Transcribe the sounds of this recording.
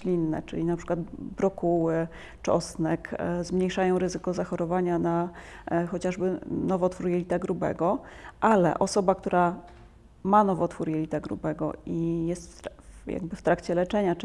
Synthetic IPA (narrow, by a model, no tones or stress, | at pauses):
lʲinːɛ̰t͡ʂɘ̰lʲinapʂɘ̥kwat̪bɾɔkuwɘ | t͡ʂɔ̰snɛkzmɲejʂajɔ̃w̃ɾɘzɘkɔzaxɔɾɔvaɲana | xɔt͡ɕaʐbɘnɔvɔt̪fuɾjelʲit̪aɡɾubɛ̰ɡɔʔalɛ̰ʔɔsɔbak̚t̪uɾa | manɔvɔt̪fuɾjelʲit̪aɡɾṵbɛɡɔ̰ijɛst̪ja̰ɡ̚bɘft̪ɾakt͡ɕɛlɛt͡ʂɛɲa